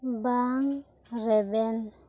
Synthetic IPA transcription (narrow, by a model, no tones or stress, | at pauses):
baŋ | rɛbɛn